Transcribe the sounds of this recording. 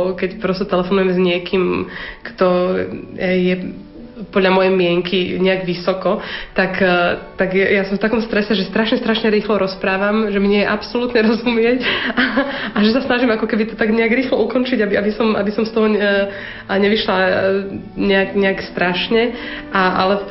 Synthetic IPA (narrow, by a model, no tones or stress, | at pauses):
kɛcpɾɔst̪ɛt̪ɛlɛfɔnujɛmzɲɪɛkʰiːmkt̪ɔ | jɛ | pɔd̪ʎamɔjɛjmɪɛŋkiɲɛaɡʋisɔkɔt̪akt̪aɡɛjasɔmft̪akɔmst̪ɾɛsɛʒɛst̪ɾaʃɲɛst̪ɾaʃɲɛɾiːxlɔɾɔspɾaːʋamʒɛmiɲɪɛjɛʔapsɔlut̪ɲɛɾɔzumɪɛc | aʒɛsasnaʒimakɔkɛbit̪ɔt̪aɡɲɛaɡɾiːxlɔukɔnt͡ʃiɟabiabisɔmʔa̰bisɔmst̪ɔɦɔ | ɲɛʋiʃla | ɲɛaɡɲɛakst̪ɾaʃɲɛʔaʔa̰lɛ